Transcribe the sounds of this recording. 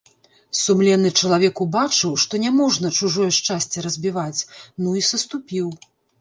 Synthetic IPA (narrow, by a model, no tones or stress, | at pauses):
sumlʲɛnːɨt͡ʂɐlˠavʲɛkubat͡ʂɨwʂt̪ɔnʲɛmɔʐnɐt͡ʂuʐɔjɛʂt͡ʂasʲt͡sʲɛɾɐzʲbʲivat͡sʲnuisɐst̪upʲiw